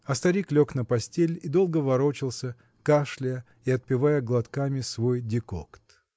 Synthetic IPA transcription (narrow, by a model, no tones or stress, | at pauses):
ɐst̪ɐɾʲiklʲo̞knəpɐsʲtʲelʲid̪o̞lˠɡəvɐɾo̞t͡ɕɪlˠsʲə | kaʂlʲɪjə | iɐt̪̚pʲɪvajəɡlˠɐt̪kamʲɪsvojdʲɪko̰kt̪